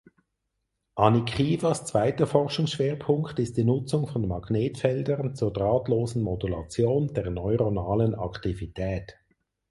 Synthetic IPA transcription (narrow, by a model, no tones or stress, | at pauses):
ʔɑnikʰχiːvast͡sv̥aɪtəfɔʁʃʊŋsʃv̥eːɐpʰʊŋktɪst̚d̥iːnʊt͡sʊŋfɔnmɑɡ̥neːtfɛldəʁnt͡suːɐdʁaːtloːzn̩modulɑ̰t͡sjoːnd̥eːɐnɔʏʁonaːlənɑ̰ktivitʰɛːt